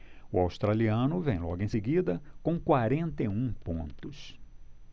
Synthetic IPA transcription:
ʊawst̪ɾaliɐ̃nʊvẽj̃lɔɡʊẽj̃seɡid̪ɐkõkwaɾẽnt̪ejũpõ̰nt̪ʊs

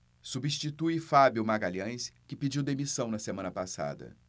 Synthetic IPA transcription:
subist͡ʃit̪ujfabjʊmaɡaʎɐ̃j̃skɪpid͡ʒiwd̪emisɐ̃w̃nɐsemɐ̃nɐpasa̰d̪ɐ̰

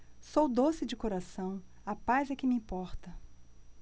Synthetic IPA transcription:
sowd̪osɪd͡ʒɪkoɾasɐ̃w̃ | ɐpazɛkɪmɪĩpɔɾt̪ɐ

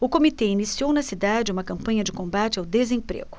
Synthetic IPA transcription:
ʊkomit̪einisiownɐsid̪ad͡ʒɪũmɐkɐ̃mpɐ̃ɲɐd͡ʒɪkõmbat͡ʃɪawd̪ezẽpɾḛɡʊ̥

